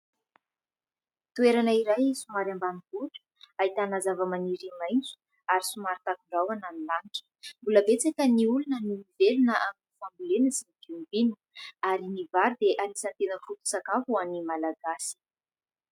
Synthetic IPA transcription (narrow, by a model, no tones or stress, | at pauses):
t̪ueɾanaiɾajsumaɾambanibuʈ͡ʂə̥ait̪anazavəmaniɾimajnt͡su̥ | aɾisumaɾit̪akuɳɖ͡ʐawananilaniʈ͡ʂə̥mbuləbet͡sakʲəniulunənimivelunəʔaminifambulenəsiniɡiumibini̥ | aɾinivaɾud̪eʔalisant̪enəfut̪u̥sakafuanimalaɡasi̥